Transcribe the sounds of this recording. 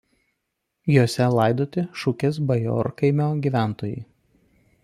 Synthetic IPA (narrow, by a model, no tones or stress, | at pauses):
joːsʲɛlˠɐɪd̪oːt̪ʲɪʃʊkʲeːs̬bɐjo̰ːɾkɐɪmʲoːɡʲiːˑʋʲæˑnt̪oːjɛ̰ɪ